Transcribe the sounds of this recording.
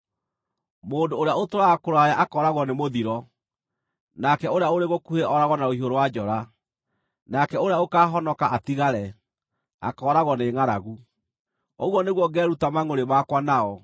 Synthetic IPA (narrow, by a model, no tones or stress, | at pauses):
moːndoːɾeaotoɾaɣakoɾajaʔakɔːɾaɣwɔnemoðiɾɔ | nakɛoɾeaoɾeɣokuheʔɔɾaɣɔnaohioɾowad͡ʑɔɾa | nakɛoɾeaokaːɦɔnɔkaʔatiɣaɾɛ | a̰kɔːɾaɣwɔneŋaɾaɣu | ɔɣwɔneɣwɔɡɛːɾutamaŋoɾemakwanaɔ